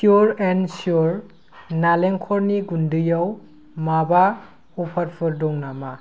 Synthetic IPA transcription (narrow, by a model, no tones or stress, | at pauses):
kjuɾensjuɾ | naleŋkʰɔɾniɡundɯjaw | maba | ɔpʰaɾpʰɯɾdɔŋnama